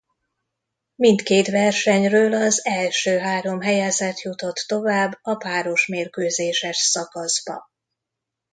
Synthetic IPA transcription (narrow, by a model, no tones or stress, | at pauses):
mint̪keːt̪vɛrʃɛɲrøːlɒzɛlʃøːɦaːɾo̞mɦɛjɛzɛt̪jut̪o̞t̪ːo̞vaːbːɒpaːɾo̞ʃmeːrkøːzeːʃɛʃsɒkɒzbɒ̰